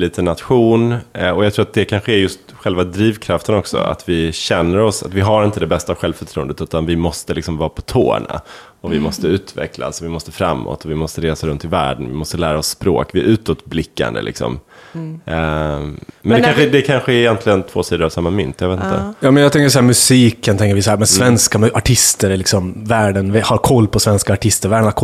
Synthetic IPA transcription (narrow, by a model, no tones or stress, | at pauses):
liːt̪ənat̪ɧuːnɔjaɡt̪ʰɾuːɾat̪̚d̪ɛkʰanɧəɛɾjɵst̪ɧɛlvad̪ɾiːvkʰɾaft̪ənɔksɔ̰a̰t̪vɪɕɛnːəɾɔsa̰t̪vɪɦaɾɪnt̪əd̪ɛbɛst̪aːvɧɛlvfœʈʰɾuːənd̪ət̪ʉ̟ːt̪anvɪmɔst̪əlɪksɔmvɑːpʰɔt̪ʰo̰ːɳa̰ | ɔvɪmɔst̪əʉ̟ːt̪vɛ̰kla̰sɔvɪmɔst̪əfɾa̰mːɔ̰t̪ɔvɪmɔst̪əɾeːsaɾɵnt̪ʰːɪlvæ̰ːɖənvɪ̰mɔst̪əlæːɾaɔsːpɾo̰ːkvɪæɾʉ̟ːt̪ɔt̪blɪkːa̰nd̪ə̰lɪ̰ksɔ̰m | mɛnd̪ɛanɧəd̪ɛkʰanɧəɛɪjɛnt̪lɪɡənt̪ʰvoːsiːd̪əɾavsamːamʏnt̪javeːt̪nt̪ʰəjɑːmɛnjaɡt̪ɛŋkəsɔhæːɾmɵsiːkənt̪ʰɛŋkəɾʋɪsahæːɾmɛnsvɛnskamʔaʈʰɪst̪əɾɭɪksɔmvæːɖənvɛhaɾkʰɔlːpʰɔsvɛnskaːʈʰɪst̪əɾvæːɖənhakʰ